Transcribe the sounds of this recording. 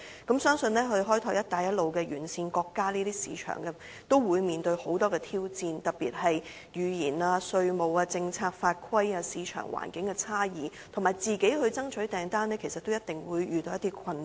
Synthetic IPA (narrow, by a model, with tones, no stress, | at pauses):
kɐ˨˥msœː˥ŋsɵ˨˧nlɛː˥ɦɵ˧ɥɦɔː˥jt̪ʰɔː˧˥kjɐ˥t̚t̪aː˨˩jɐ˥t̚lo˨˧wkɛː˧jyː˨˩nsiː˧nkɔː˧kːaː˥niː˥t̪iː˥sḭː˨˥t͡ʃʰœ̰ː˨˩ŋkɛ˧ | t̪o˥wwuː˨˧jmiː˨nt̪ɵ˧ɥho˨˥wt̪ɔː˥kɛː˧t̪ʰiː˥wt͡siː˧nt̪ɐ˨piː˨˩t̚hɐ˨j | jyː˨˩jiː˨˩naː˧sɵ˧ɥmo˨˧waː˧t͡sɪ˧ŋt͡sʰaː˧k̚faː˧t̚kʰwɐ˥jaː˧siː˨˧t͡ʃʰœ̰ː˨˩ŋwʔa̰ː˨˩nkɪ˨˥ŋkɛ˧t͡sʰaː˥jiː˨ | t̪ʰmaː˨˩jt͡siː˨ke˨˥jhɵ˧ɥt͡sɐ˥ŋt͡ʃʰɵ˨˥ɥt̪ɛː˨˩ŋt̪aː˥nɛː˥kʰe˨˩sɐ˨t̪̚ːo˥wjɐ˥t̪̚ɪ˨ŋwuː˨˧jɥyː˨t̪o˧wjɐ˥t̪i˥kʰɐ˧n